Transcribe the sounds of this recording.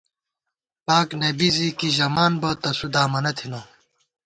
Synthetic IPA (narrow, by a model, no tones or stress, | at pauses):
paːknebizikiʑɐmaːnbɐt̪ɐsud̪aːmɐnɐt̪ʰinɐ